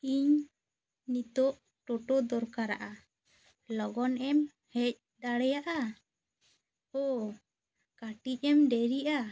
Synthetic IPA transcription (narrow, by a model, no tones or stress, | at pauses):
iɲ | nit̪ɔʔ | ʈɔʈɔd̪ɔɾkaɾa̰ʔa | lɔɡɔnɛm | hɛc̚ | d̪aɽɛjaʔa | ɔ | kaʈic̚ˀɛmɖɛɾiʔa